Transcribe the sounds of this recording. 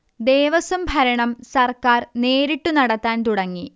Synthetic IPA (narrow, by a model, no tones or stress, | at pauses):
d̪eːʋɐsumbʱɐɾɐɳɐmsɐrkaːrneːɾiʈːunɐɽɐt̪ːaːnt̪uɽɐŋːi